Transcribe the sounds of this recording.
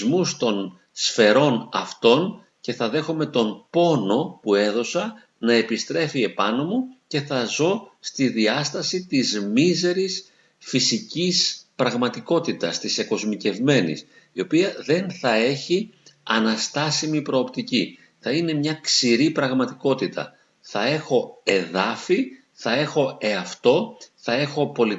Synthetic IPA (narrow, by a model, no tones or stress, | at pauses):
zmust̪o̞n | sfe̞ɾo̞nɐ̰ft̪o̞n | ce̞θɐðe̞xome̞t̪o̞npo̞no̞pue̞ðo̞sɐ | nɐe̞pist̪ɾe̞fie̞pɐno̞muce̞θɐzo̞st̪iðiɐst̪ɐsit̪izmize̞ɾis | fisicispɾɐɣmɐt̪iko̞t̪it̪ɐst̪iseko̞zmice̞vme̞nḭs | io̞piɐðe̞nθɐe̞çiɐnɐst̪ɐsimipɾo̞ːpt̪ici | θɐine̞mɲɐksiɾipɾɐɣmɐt̪i̥ko̞t̪it̪ʰɐ̰ | θɐe̞xo̞e̞ðɐfi | θɐe̞xo̞e̞ɐft̪o̞θɐe̞xo̞po̞li